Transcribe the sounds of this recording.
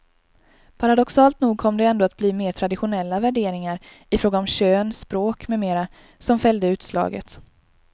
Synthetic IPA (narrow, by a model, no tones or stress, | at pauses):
pʰaɾad̪ɔksɑːlt̪nuːɡ̚kʰɔmːd̪ɛɛnd̪oːat̪̚bliːmeːʈʰɾad̪ɪɧʊnɛlːavæɖeːɾɪŋaɾ | ɪfɾoːɡaɔmɕøːnspɾoːkmɛmeːɾa | sɔmfɛljd̪əʉ̟ːt̪slɑ̰ːɡə̰t̪